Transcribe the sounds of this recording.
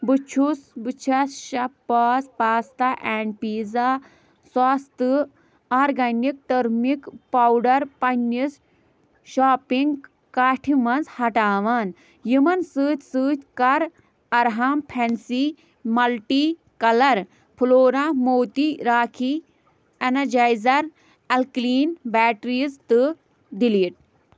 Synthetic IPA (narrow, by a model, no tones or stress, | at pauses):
bɨt͡ʃʰusbɨt͡ʃʰɐsʃɐpːaːspaːst̪aʔɛːɳɖ̚piːza | swaːst̪ɨ | aːɾɡɐnik̚ʈɐɾmikpawɖɐɾpɐnːis | ʃaːpiŋɡ | kaːʈʰimɐnzhɐʈaːʋaːn | jimɐnsɨːt̪ʲsɨːt̪ʲkɐɾ | ɐɾɦaːmpʰɛnsi | mɐlʈi | kɐlɐɾ | pʰloːɾãmoːt̪iɾaːkʰi | ɛnɐɾd͡ʒajzɐɾ | ɐlkliːnbɛːʈɾizt̪ɨ | d̪iliʈ̚